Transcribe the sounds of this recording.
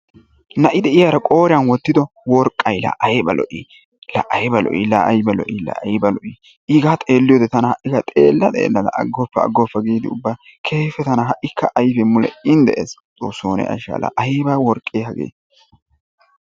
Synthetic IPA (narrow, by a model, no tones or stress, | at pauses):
nɐʔɪd̪ɛʔɪjaːɾɐkʼo̞ːɾɪɐnwɔt̪ːɪd̪ɔ | wɔɾkʼːɐjlɐ̰ʔɐjɛbɐlɔ̰ʔi | lɐ̰ʔɐjbɐlɔ̰ʔilɐɐjbɐlɔ̰ʔilɐ̰jbɐlɔʔi | ʔɪɡat̪ʼe̞ːlːɪjoːd̪ɛt̪ɐnɐhɐʔːɪkɐt̪ʼe̞̰ːlːɐt̪ʼḛːlːɐlɐ̰ʔɐ̰ɡːɔpːɐɐ̰ɡːɔpːɐɡiːd̪ɪʊbːaːkʰeːfɛt̪ɐnɐɦɐʔɪkːɐʔɐjfɛmʊlɛ̰ɪnd̪ɛ̰ʔḛst͡sʼoːsːoːnɛ̰ɐ̰ʃa̰lɐ̰ʔɐjbɐwɔɾkʼːeːhɐɡḛː